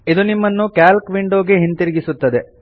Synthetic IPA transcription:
id̪unimːɐnːukaːlkʋiɳɖoːɡeɦint̪iɾiɡisut̪ːɐd̪e̞

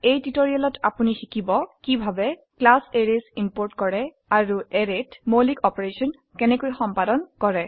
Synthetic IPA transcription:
ejtitoɹijalɔtʰapunixikibɔkibʱabɛklaseɹiasimpoɹtkɔɹɛ | aɹuɛɹetmolikɔpɔɹesɔn | kɛnɛkojxɔmpadɔnkɔɹɛ

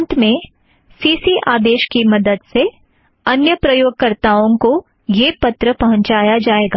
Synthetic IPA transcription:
nt̪mẽ | siːsiʔaːd̪eːʃkimɐd̪əd̪se | ɐnjəpɾɐjoːɡ̚kɐɾt̪aːõko | jepɐt̪ɾəpɐɦɔ̃ɲt͡ʃaːjad͡ʒaːeːɡaː

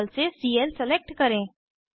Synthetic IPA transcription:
lsesiːəlsɛleːk̚ʈkɐɾẽː

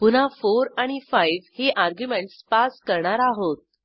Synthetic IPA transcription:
pun̤afoɾaɽ̃ifajʋheʔaɾɡjumeɳʈspaskəɾɳaɾaɦot̪̚

